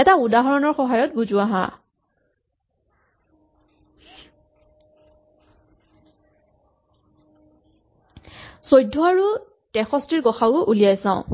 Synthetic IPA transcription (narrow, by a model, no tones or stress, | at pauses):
ɛtaudaɦɔɹɔnɔɹxɔɦajɔt̚buzuaɦã̰ | sojdʱːɔaɹu | tɛxɔstiɹɡɔxawʊʔulijajsãʊ̃